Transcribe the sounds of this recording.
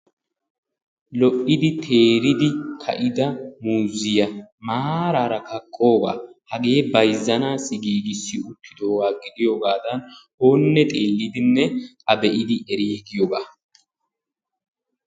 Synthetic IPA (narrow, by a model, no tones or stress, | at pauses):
lɔʔɪd̪ɪt̪ʰe̞ːɾɪd̪ɪkʰɐ̰ʔɪd̪ɐmuːzɪjɐmaːɾaːɾɐkɐkʼːo̞ːɡa̰ːhɐɡe̞ːbɐjzːɐnaːsɪɡiːɡɪsːɪʊt̪ʰːɪd̪oːwaːɡɪd̪ɪjoːɡaːd̪ɐnhoːnːɛt̪ʼe̞ːlːɪd̪ɪnːɛkɐbɛʔɪd̪ɪʔɛɾiːɡɪjoɡaː